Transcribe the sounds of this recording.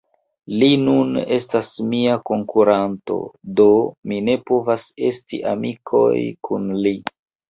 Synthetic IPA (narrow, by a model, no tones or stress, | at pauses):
linune̞stasmiako̞ŋkuɾanto̞̰do̞mine̞po̞vase̞stiʔa̰mikʰo̞̰jkʰunli